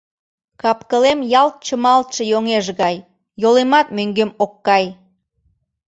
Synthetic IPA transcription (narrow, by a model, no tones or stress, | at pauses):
kɑpkəlemjɑlt̪̚t͡ɕəmɑlt̪ʃə̆joŋeʒɣɑj | jolemɑt̪møŋɡemokːɑj